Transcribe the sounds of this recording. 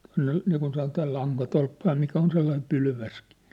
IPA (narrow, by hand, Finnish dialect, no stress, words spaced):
tuɑ̝nːe niːkun sɑnotɑː lɑŋkɑtolpːɑ jɑ mikæ on selːɑim pylʋæski̥